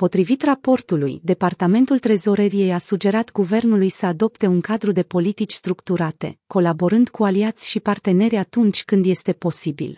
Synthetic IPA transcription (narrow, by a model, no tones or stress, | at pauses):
po̞t̪ɾivit̪rapo̞rt̪ulṵjd̪e̞part̪ame̞nt̪ult̪ɾe̞zo̞ɾeɾije̞jasud͡ʒe̞ɾat̪ɡuve̞rnulujsəad̪o̞pt̪e̞uŋkad̪ɾud̪e̞po̞lit̪it͡ʃʲst̪ɾukt̪uɾat̪e̞̰ko̞labo̞ɾɨnd̪kualiat̪sʲʃipart̪e̞ne̞ɾʲat̪unt͡ʃʲkɨnd̪je̞st̪e̞po̞sibḭl